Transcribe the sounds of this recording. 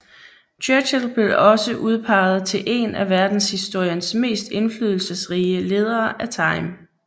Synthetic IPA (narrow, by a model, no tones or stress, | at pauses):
t͡ɕʰøɕəlb̥e̝ɒ̽səʔuð̞ˠpʰɑ̈ɪð̞̩ˠt͡sʰe̝lʔe̝̰næʋæɐd̥n̩shisd̥o̝ɐ̰jɐnsme̝̰ːsd̥e̝nflyð̞ˠl̩səsʁiːəle̝ːð̞ˠɐːʔæt͡sʰɑ̈ɪm